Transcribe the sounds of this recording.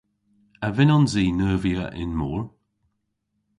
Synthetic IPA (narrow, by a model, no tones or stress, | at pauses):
əvɛnɔnziːnəːviəʔɪ̰nmɔːɹ